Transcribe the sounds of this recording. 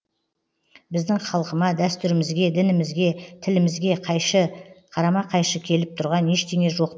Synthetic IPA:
bɪzd̪ɪŋχɑlˠqəmɑd̪æst̪ʏɾɪmɪzɡʲe̞d̪ɪnɪmɪzɡʲe̞t̪ʰɪlɪmɪzɡʲe̞ | qʰɑɾɑmɑqʰɑjʃəkʲʰe̞lɪp̚t̪ʰʊɾʁɑne̞ʃt̪eŋe̞ʒo̞q

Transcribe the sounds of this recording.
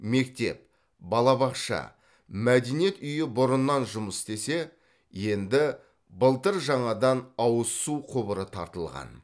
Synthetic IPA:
me̞k̚t̪e̞̰p̚ | bɑlˠɑβɑqʃɑ̰ | mæd̪enije̞t̪ʏjɪbʊɾənːɑnʒʊməst̪e̞se̞ | je̞nd̪ɪ | bəlˠt̪əɾʒɑɴɑd̪ɑnɑwəsːuqʰʊbəɾət̪ʰɑ̰ɾt̪əlˠʁɑ̰n

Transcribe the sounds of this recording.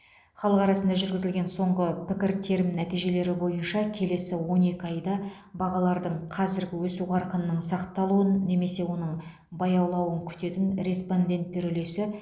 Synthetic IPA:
χɑlˠəqɑɾɑsənd̪ɑʒʏɾɡʲɪzɪlɡʲe̞nso̞ɴʁəpʰɪkʲɪɾt̪ʰe̞ɾɪmnæt̪ijʒe̞le̞ɾɪbo̞jənʃɑkʲʰe̞le̞sɪwo̞ne̞kʲɪɑjd̪ɑ | bɑʁɑlˠɑɾd̪əɴqʰɑzɪɾɡʲɪwɵsuʁɑɾqənːəɴsɑqt̪ɑlˠuənːe̞me̞se̞wo̞n̪əɴ | bɑjɑwlˠɑwəŋkʲʰʏ̥t̪e̞t̪ɪnɾe̞spo̞nd̪ʲe̞nt̪ːeɾʏle̞sɪ

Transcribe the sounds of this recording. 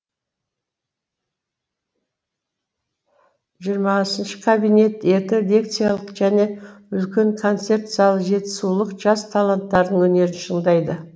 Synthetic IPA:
ʒijəɾmɑsənʃə̥kʰabijne̞t̪et̪ed̪ʲek̚t̪sijalˠəqʒæne̞ʏlkʲe̞ŋkʰo̞nt̪se̞rt̪szɑlˠəʒe̞t̪ɪ̥sulˠəqʒɑst̪ʰalˠant̪ːɑɾd̪əɴwɵne̞ɾɪnʃəɴd̪ɑjd̪ə

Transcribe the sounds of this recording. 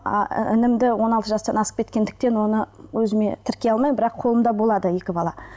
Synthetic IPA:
ɪnɪmd̪ɪwo̞nɑlˠt̪əʒɑst̪ɑnɑsə̥qpkʲʰe̞t̪kʲe̞nd̪ɪk̚t̪e̞nwo̞nəwɵzɪme̞t̪ʰɪɾkʲe̞jɑlˠmɑjbɪɾɑqʰo̞lˠəmd̪ɑbo̞lˠɑd̪əje̞kʲɪbɑlˠɑ

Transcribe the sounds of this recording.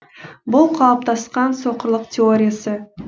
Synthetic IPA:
bʊlˠqʰɑlˠp̚t̪ʰɑsqɑnso̞qəɾlˠəqt̪ʲʰeoɾʲijasə

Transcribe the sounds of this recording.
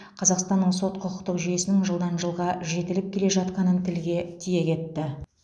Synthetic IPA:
qʰɑzɑqst̪ɑnːəɴso̞t̪qʰʊqʰʊqt̪əqʒyje̞sɪnɪŋʒəlˠd̪ɑnʒəlˠʁɑʒe̞t̪ɪlɪp̚kʲʰe̞le̞ʒɑt̪qɑnənt̪ʰɪlɡʲe̞t̪ʰije̞kʲʰe̞t̪ːɪ

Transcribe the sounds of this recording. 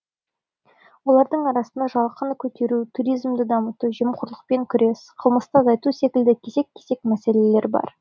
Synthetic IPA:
wo̞lˠɑɾd̪əɴɑɾɑsənd̪ɑʒɑlˠqənkʲʰɵt̪e̞ɾut̪ʰuɾijzmd̪əd̪ɑmət̪uʒəmqʰʊɾlˠəq̚peŋkʲʰʏɾe̞sqʰəlˠməst̪ɑzɑjt̪use̞kʲɪld̪ɪkʲʰe̞ze̞kʲʰːeze̞kmæse̞le̞le̞ɾbɑ̰ɾ

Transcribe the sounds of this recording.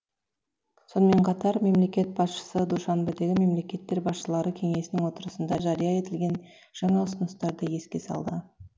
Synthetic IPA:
so̞nəme̞ɴqʰɑt̪ɑɾme̞mle̞kʲe̞t̪̚bɑsʃə̥səd̪uʃɑnbed̪e̞ɡʲɪme̞mle̞kʲe̞t̪ːe̞ɾbɑsʃəlˠɑɾəkʲʰe̞ŋe̞sɪnɪŋwo̞t̪əɾəsənd̪ɑʒɑɾijɑe̞t̪ɪlɡʲe̞n | ʒ̥ɑɴɑəsənəst̪ɑɾd̪əje̞skʲe̞sɑ̰lˠd̪ə

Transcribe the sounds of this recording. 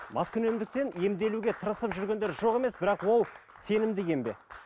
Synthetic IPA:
mɑskʲʰʏne̞md̪ɪk̚t̪e̞ne̞md̪e̞luɡʲe̞t̪ʰəɾəsəpʒʏɾɡʲe̞nd̪e̞ɾʒo̞ʁe̞me̞sbɪɾɑqwo̞lˠ | se̞nɪmd̪ɪɡʲe̞mbe̞̰

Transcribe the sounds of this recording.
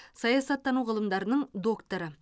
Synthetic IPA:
sɑjɑsɑt̪ːɑnuʁəlˠəmd̪ɑɾənəɴd̪o̞kt̪oɾə

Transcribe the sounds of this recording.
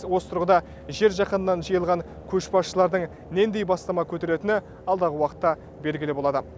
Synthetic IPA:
wo̞st̪ʰʊɾʁəd̪ɑ | ʒe̞ɾʒɑqənənːɑnʒijəlˠʁɑŋ | kʲʰɵʃpɑsʃəlˠɑɾd̪əɴ | ne̞nd̪ejbɑst̪ɑmɑkʲʰɵt̪e̞ɾe̞t̪ɪnɪ | ɑlˠd̪ɑʁəwɑqə̥t̪ːɑ | be̞lɡʲɪlɪbolˠɑd̪ə

